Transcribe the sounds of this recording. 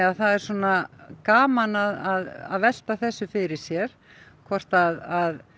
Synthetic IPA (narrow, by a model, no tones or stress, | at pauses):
aðθaðɛɾ̥sɔːnakaːmanaðaða̰ðvɛl̥t̪aθɛsːʏfɪɾɪɾ̥sjɛɾ̥ | kʰvɔr̥t̪aðað